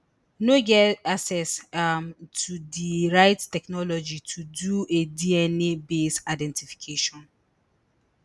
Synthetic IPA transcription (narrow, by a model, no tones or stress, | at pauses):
noɡɛaksɛsmtʰudiɹaɪttɛknɔlɔd͡ʒitʰuduediɛnebesaɪdɛ̃ntifi̥kʰeʃɔ̃n